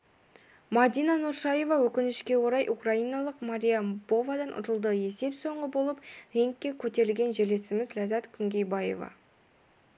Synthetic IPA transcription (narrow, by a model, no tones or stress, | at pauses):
mad̪ijnɑnuɾʃɑje̞vɑwɵkʲɪnɪʃkʲe̞wo̞ɾɑjʔukraijnɑlˠəqmaɾʲijab̥o̞vad̪ɑnʔʊ̰t̪əlˠd̪əe̞se̞pso̞ɴʁəbo̞lˠəpɾeŋkʲːe̞kʲʰɵt̪e̞ɾɪlʲɡʲe̞nʒele̞sɪmɪzlæzɑt̪kʲʰʏŋɡʲe̞jbaje̞̰vɑ̰